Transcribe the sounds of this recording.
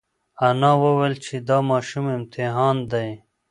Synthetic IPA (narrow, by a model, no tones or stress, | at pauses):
ɐnɑwɐwelt͡ʃʰed̪ɑːmɑːʃumɪmt̪ʰɪɦɑːnd̪aj